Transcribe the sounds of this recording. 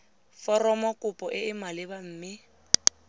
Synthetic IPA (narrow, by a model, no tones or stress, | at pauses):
fɔrɔmɔkʼʊpʼɔʔɪɪmalɪbam̩ːmɪ